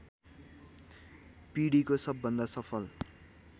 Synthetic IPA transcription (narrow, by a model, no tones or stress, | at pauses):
piɽikosʌbːʌnd̪asʌpʰʌl